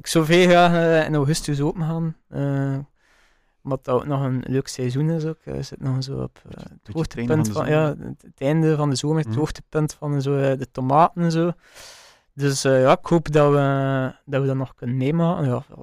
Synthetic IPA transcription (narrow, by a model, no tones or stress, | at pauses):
ɪksoːveːɣaːɛ̰nawɣʏstyzoːpəmɣaːnəː | ɔmdɑtɑo̰ːknɔχənløːksɛzunɪsoːkə̰zɪtnɔxənzo̰ːɔ̰pːəthoːxtəpəntfja̰ːətʰɛndəvɑndəzoːmərəthoːxtə̥pɵntfɑnɛnzoːdətomaːtənɛnzoː | døsːjaːɪkhoːpdɑwədɑʋədɑnːɔxkɵnənmeːmaːkənja̰ːl